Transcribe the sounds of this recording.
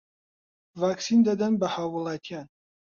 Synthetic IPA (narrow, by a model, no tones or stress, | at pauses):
vaːksiːnd̪ɐd̪ɐnbɐhaːwːʊlˠɑːt̪ʰijaːn